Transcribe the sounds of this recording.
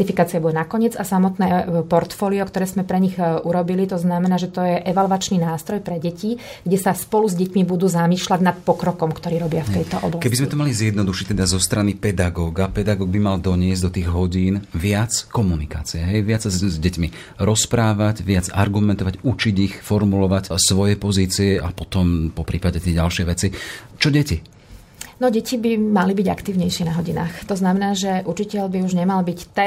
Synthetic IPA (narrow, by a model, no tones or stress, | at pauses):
ifikaːt͡siabuɛnakɔɲɪɛd͡zasamɔt̪nɛːpɔɾt̪fɔːliɔkt̪ɔɾɛːzmɛpɾɛɲiɣʔuɾɔbilit̪ɔznamɛnaːʒɛt̪ɔjɛʔɛʋalʋat͡ʃninaːst̪ɾɔjpɾɛɟɛci | ɡɟɛsaspɔluzɟɛcmibud̪uːzamiːʃlaɟnat̪pɔkɾɔkɔmkt̪ɔɾiːɾɔbɪaft̪ɛjt̪ɔɔ̰blakɛbizmɛt̪ɔmalizjɛd̪nɔd̪uʃict̪ɛd̪azɔst̪ɾanipɛd̪aɡɔːɡapɛd̪aɡɔːɡ̚bimald̪ɔɲɪɛzɟd̪ɔt̪iːɣɦɔɟiːnʋɪat͡skɔmunika̰ːt͡siɛɦɛjʋɪat͡szzɟɛcmi | ɾɔspɾaːʋaɟʋɪad͡zaɾɡumɛnt̪ɔʋaɟut͡ʃiɟixfɔɾmulɔʋacsʋɔjɛpɔziːt͡siɛʔapɔt̪ɔmpɔpɾʔiːpaɟɛt̪ɪɛɟalʃɪɛjʋɛt͡sit͡ʃɔɟɛci | nɔɟɛcibimalibiɟa̰kt̪iːʊɲɛjʃɪɛnaɦɔɟina̰ːxt̪ɔznamɛnaːʒɛʔut͡ʃicɛʎbiuʒɲɛmalbict̪ɛ